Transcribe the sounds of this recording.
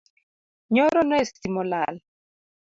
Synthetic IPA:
ɲɔɾɔnɔesimɔlal

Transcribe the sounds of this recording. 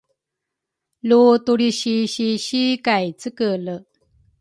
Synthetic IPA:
lot̪uɽiɕiɕiɕikajt͡sɨkələ

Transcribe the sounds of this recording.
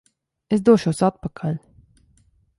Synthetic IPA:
esd̪uɔʃuɔsat̪̚pakʰalʲ

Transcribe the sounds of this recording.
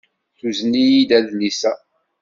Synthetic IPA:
θuznijid̪æðlisæ

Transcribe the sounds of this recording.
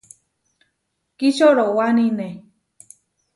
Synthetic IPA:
kit͡ʃoɾowanine

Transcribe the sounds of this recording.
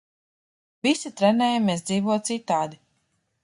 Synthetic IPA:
visit̪ɾɛnɛːjameːsd̪ziːvuɔt̪sit̪aːd̪i

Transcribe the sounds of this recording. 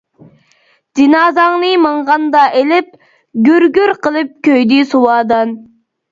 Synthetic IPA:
d̪̥inɑːzɑŋnɨmɨɴʁɑnd̪ɑʔelɪp̚ | ɡʲøɾɡʲyɾqʰəlˠɨp̚kʲʰøjd̪isuwɑːd̪ɑn

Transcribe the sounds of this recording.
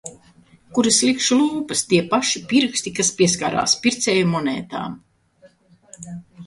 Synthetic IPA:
kuɾɨslˠikʃlˠuːpɨst̪iɛpaʃipiɾksʲt̪ikaspʲiɛskaːɾa̰ːspʲiɾt̪sɛːjumɔnɛ̰ːt̪a̰ːm

